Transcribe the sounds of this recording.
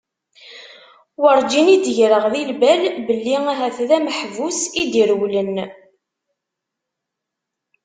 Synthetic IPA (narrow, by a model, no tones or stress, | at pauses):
wəɾˤd͡ʒinid̪əʝɾəʁðilbælbəlːiæɦæθðæməħvusid̪iɾwlən